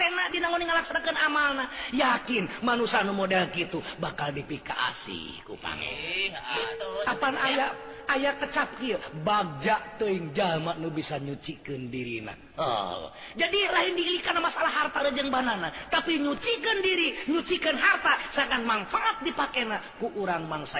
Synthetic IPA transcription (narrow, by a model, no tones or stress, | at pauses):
t̪enaʔdinaŋoniŋəlaksanakənamalnajakɪnmanusanumodɛlkit̪ubakaldipika̰ʔa̰sḭ | kṵpa̰ŋɛ̰ | apanajaajakət͡ʃap̚kiəbaɡ̚d͡ʒaʔt̪əiŋd͡ʒamaʔnubisaɲut͡ʃikəndiɾḭna̰ | ə̰ | d͡ʒadilaɦindiilikanamasalaɦart̪aɾəd͡ʒəŋbananat̪apiɲut͡ʃikəndiɾiɲut͡ʃikənɦart̪asaŋanmanfaʔːt̪̚dipakɛnakuʔuɾaŋmaŋsa